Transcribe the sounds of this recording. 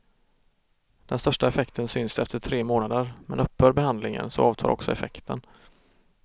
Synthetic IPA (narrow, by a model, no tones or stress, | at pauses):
d̪̥ɛnst̪œʂʈaɛfɛkt̪ʰənsʏnsd̪ɛft̪əʈʰɾeːmoːnad̪əɾmɛnɵpːhœːɾbɛhand̪lɪŋə̰nsɔ̰ɑːvt̪ʰɑ̰ːɾʔɔ̰ksɔɛfɛ̰kt̪ʰən